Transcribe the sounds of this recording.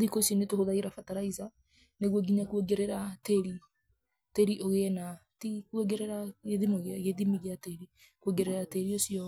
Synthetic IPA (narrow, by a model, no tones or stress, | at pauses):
ðikosiɔnetohoðaeɾafataɾaiza | neɣwɔɡiɲakweɡeɾɛɾateɾi | teɾiʔoɣenatikweɡɛɾɛɾaɣeðimoɣaɣeðimiɣeateɾi | kweɡɛɾɛɾateɾiosiɔ